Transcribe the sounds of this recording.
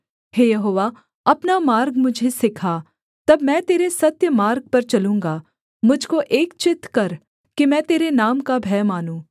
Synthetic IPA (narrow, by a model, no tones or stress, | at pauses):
heːjɐɦoːʋa | ɐpnamaːɾɡmʊd͡ʒʱesɪkʰa | t̪ɐbmɛ̃ːt̪eːɾesɐt̪jəmaːɾɡ̚pɐɾt͡ʃɐlũːŋɡa | mʊd͡ʒʱkoʔeːkt͡ʃɪt̪kɐɾ | kimɛ̃ːt̪eːɾenaːmkabʱɛːmaːnũː